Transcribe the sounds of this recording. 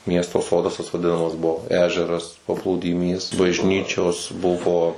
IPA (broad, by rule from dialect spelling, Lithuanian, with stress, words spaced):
ˈmʲiɛstoː ˈsoːdɐs tɐs ʋɐˈdʲɪnɐmɐs ˈbuɔ ˈæːʒʲɛrɐs pɐplˠuːdʲɪˈmʲiːs bɐʒʲˈnʲiːt͡ʃʲoːs ˈbʊʋoː